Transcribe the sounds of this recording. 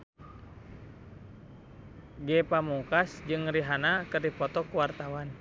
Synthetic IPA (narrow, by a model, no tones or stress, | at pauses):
ɡɛpamukasd͡ʒɨŋɾiɦanakɨrdipɔt̪ɔkuwart̪awan